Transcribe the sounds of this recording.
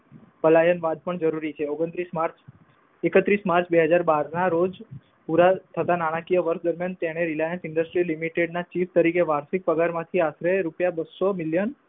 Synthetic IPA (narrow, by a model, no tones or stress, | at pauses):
pəlajənʋad̪̚pəɳd͡ʒəɾuɾit͡ʃʰeoɡənt̪ɾismaɾt͡ʃ | ekət̪ɾismaɾt͡ʃʰbeɦəd͡ʒaɾbaɾnaɾod͡ʒ | puɾat̪ʰət̪anaɽ̃ãkijəʋəɾʃd̪əɾmjant̪eɽ̃eɾilajənsɪɳɖəsʈɾilimiʈeɖnat͡ʃift̪əɾikeʋaɾsik̚pəɡaɾmãt̪ʰiasɾeɾupjabəsomiljən